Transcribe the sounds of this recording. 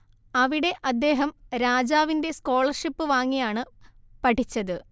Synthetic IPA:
ɐʋiɽe̞ʔɐd̪ːe̞ːɦɐmɾaːd͡ʑaːʋinde̞sko̞ːɭɐrʂipːɨʋaːŋːijaːɳɨ | pɐʈʰit͡ɕːɐðɨ

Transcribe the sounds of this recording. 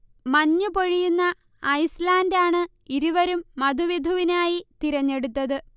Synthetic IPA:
mɐɲːupo̞ɻijunːɐː | jslaːndaːɳɨ | iɾuʋɐɾumːɐd̪ʱuʋid̪ʱuʋinaːjit̪iɾɐɲːe̞ɽut̪ːɐðɨ

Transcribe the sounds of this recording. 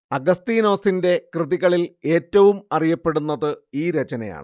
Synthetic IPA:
ɐɡɐst̪iːno̞ːsinde̞krɨðiɣɐɭile̞ːtːɐʋumɐrijɐpːe̞ɽunːɐðɨiːɾet͡ɕɐnɐja̰ːɳɨ̰

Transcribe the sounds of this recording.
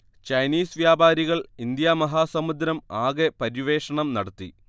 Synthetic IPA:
t͡ɕɐjniːsʋjaːbʱaːɾiɣɐɭind̪jamɐɦaːsɐmud̪ɾɐmaːɣepɐɾiʋe̞ːʂɐɳɐmnɐɽɐt̪ːḭ

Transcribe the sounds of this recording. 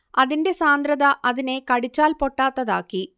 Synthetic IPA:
ɐðinde̞saːnd̪ɾɐðɐʔɐðinekɐɽit͡ɕːaːlpoʈːaːt̪ːɐðaːkːi

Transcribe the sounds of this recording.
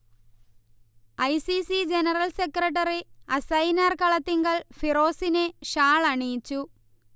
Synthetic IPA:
ɐjsisid͡ʑenɐrɐlsekːrɐʈ̬ːɐriɐsɐjnaːrkɐɭɐt̪ːiŋɡɐɭfiro̞ːsineɕaːɭɐɳiːt͡ɕːu

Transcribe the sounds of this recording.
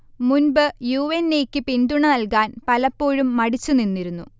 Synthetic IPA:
munbɨjuːʋenːeːkʲːɨpind̪uɳɐnɐlkaːnpɐlɐpːo̞ːɻumːɐɽit͡ɕːuninːiɾunːu

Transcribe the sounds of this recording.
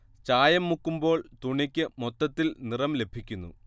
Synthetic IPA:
t͡ɕaːjɐmːukːumbo̞ːɭt̪uɳikʲːɨmot̪ːɐt̪ːilnirɐmle̞bʱikʲːunːṵ

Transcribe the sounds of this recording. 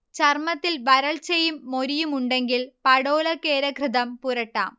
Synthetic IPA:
t͡ɕɐrmɐt̪ːilʋɐɾɐɭt͡ɕɐjumːo̞ɾijumuɳɖe̞ŋɡilpɐɽoːlɐkːe̞ːɾɐkrɨðɐmpuɾɐʈːa̰ːm

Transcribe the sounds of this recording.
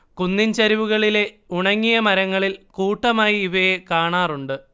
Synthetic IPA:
kunːint͡ɕɐɾiʋuɣɐɭile̞ | uɳɐŋːijɐmɐɾɐŋːɐɭilkuːʈːɐmaːjiiʋɐjekaːɳaːruɳɖɨ

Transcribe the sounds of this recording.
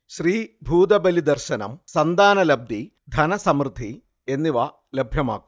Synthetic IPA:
ɕriːbʱuːd̪ɐbɐlid̪ɐrɕɐnɐ̰msɐnd̪aːnɐlɐb̚d̪ʱi | d̪ʱɐnɐsɐmɾɨd̪ʱi | e̞nːiʋɐ | lɐbʱjɐma̰ːkːu

